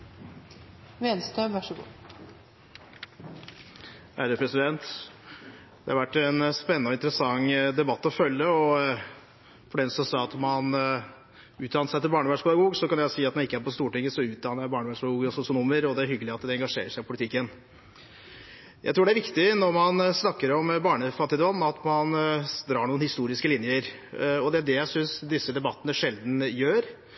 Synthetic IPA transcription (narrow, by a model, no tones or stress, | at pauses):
ʋɛnst̪øʋæʂəɡṵː | hæːɾəpʰɾɛsɪd̪ɛnt̪ | d̪̥ɛ̰hɑɾʋæʈːɛnspɛnːɔɪnt̪əɾəsɑŋd̪ɛbɑt̪ːɔfœlːəɔ | fɔɖɛnsɔsɑɑt̪mɑn | ʉːt̪d̪ɑːnəʂæɪt̪ɪbɑːɳəʋæʂpʰɛd̪ɑɡuːɡsɔkɑnjæsiːɑt̪mɛnɪkːəæɾpɔst̪uːʈɪŋːəsɔʉːt̪̚d̪ɑːnəɾæbɑːɳəʋæːʂpɛd̪ɡuːɡɔsʊsɪʊnuːməɾɔd̪ɛæɾhʏɡəlɪɑt̪d̪ɛɛŋɡɑʂḛːɾəʂæɪpʰʊlɪt̪ʰɪkːən | jʔæɪt̪ɾuːɖɛæɾʋɪkt̪ɪnɔɾmɑnsnɑkːəɾɔmbɑːɳəfɑt̪ːɪd̪ɔmɑt̪mɑnd̪ɾɑːɳuːnhɪst̪uːɾɪskəlɪnjəɾ | ɔd̪ɛæɖɛjæɪsʏnsd̪ɪsːəd̪ɛbɑt̪ːənəʂɛld̪n̩jøːɾ